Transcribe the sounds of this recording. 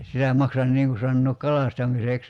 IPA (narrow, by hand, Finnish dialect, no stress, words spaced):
sitæ mɑksɑn niːŋ ku sɑnːoːk kɑlɑstɑmiseks